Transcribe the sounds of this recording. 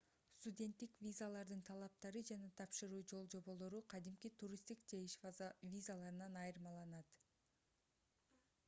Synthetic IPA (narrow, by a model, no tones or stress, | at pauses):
st̪udʲe̞nt̪ːikvʲizalˠɑɾd̪ɯnt̪ʰɑlˠɑp̚t̪ɑɾɯd͡ʒɑnɑt̪ʰɑpʃɯɾuːd͡ʒo̞lˠd͡ʒo̞βo̞lˠo̞ɾuqʰɑd̪imkit̪ʰuɾʲist̪ikd͡ʒeiʃvʲizalˠɑɾɯnɑnɑjɯɾɯmɑlˠɑnɑt̪